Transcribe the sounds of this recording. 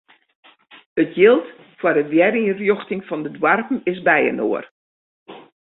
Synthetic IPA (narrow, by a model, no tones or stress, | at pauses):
ətʰjɪlˠt | foːrəʋjɛrirjoxtɪŋfɔndədwarpn̩ɪsbɛjə̰noər